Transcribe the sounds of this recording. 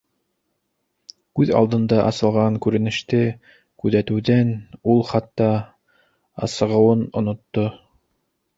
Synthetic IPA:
kʉðɑ̰lˠd̪ɤ̆nd̪ɑʔɑ̰sɤ̆lˠʁɑŋkʉɾɘ̆nɘ̆ʃt̪ɘ | kʉðæt̪ɘ̆wðænulˠχɑt̪ːɑ | ɑ̰sɤ̆ʁɤ̆wɤnŏnŏt̪ːo

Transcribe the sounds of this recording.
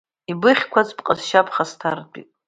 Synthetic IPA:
ibɨχʲkʷʰazpqʼazʃapʰχastʰardʷʼḭtʼ

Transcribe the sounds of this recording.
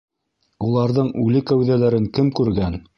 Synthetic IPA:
ulˠɑɾðɤɴʉlɘkæwðælæɾɘŋkɘmkʉɾɡæn

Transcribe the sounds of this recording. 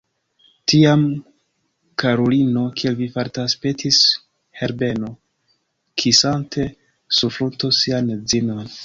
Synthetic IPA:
tiam | kaɾolino̞kʰielvifaɾtaspetʰis | he̞ɾbe̞no̞ | kʰisantʰe̞ | sufɾutosiand͡zino̞n

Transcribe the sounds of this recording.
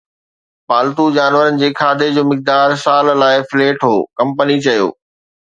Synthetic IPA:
paːlt̪ud͡ʑaːnʋəɾənɪ̆d͡ʑeːkʰaːd̪ʱed͡ʑoːmɪk̚d̪aːɾsaːllaːɪfleːʈɦoːkɐ̃mpənit͡ɕɐjo̰ː

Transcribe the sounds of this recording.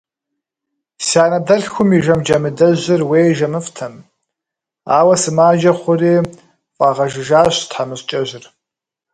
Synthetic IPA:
saːnɐdɐɮxʷʊmiʒɐmd͡ʒɐmɨdɐʑɪrweːjʒɐmɨftʰɐm | aːwɐsɨmaːd͡ʒɐχʷʊriː | fʼɑːʁɐʒɪʒaːɕtħamɨst͡ʃʼɐʒɪr

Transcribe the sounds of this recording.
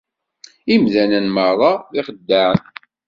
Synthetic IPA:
imðænænməɾˤɑðɪχəd̪ːaʕn

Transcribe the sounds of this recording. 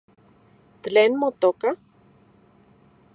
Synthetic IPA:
t̪leːnmot̪oka

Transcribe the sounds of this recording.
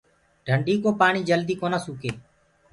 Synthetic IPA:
ɖʱəɳɖiːkoːpaːɳiːd͡ʒəld̪iːkoːnaːsuːkeː

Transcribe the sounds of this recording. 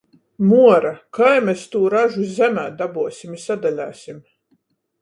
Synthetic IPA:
muɔɾakajmɛst̪uːɾaʒuzʲæmʲæːd̪abuɔsʲimisad̪alʲæ̰ːsʲim

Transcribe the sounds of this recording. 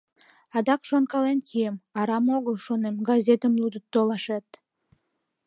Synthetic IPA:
ɑd̪ɑkʃonkɑlenkʰiemɑɾɑmoɣəlʃonemɡɑzʲet̪əmlud̪ət̪ːolɑʃet̪

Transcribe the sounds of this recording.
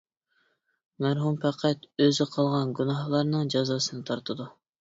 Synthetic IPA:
mæɾɦumpʰæqʰæt̪øzɪqʰɑlˠʁɑnɡʲunɑhlˠɑɾnɨŋd͡ʒɑzɑːsɨnɨt̪ʰɑɾt̪ʰɨd̪u

